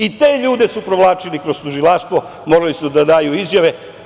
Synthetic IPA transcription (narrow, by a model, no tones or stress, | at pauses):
it̪e̞ːʎuːd̪e̞supɾoʋlˠaːt͡ʃilikɾost̪uʒilˠaʃt̪ʋo̞ | mo̞ɾalisud̪ad̪aːjuizjaʋe̞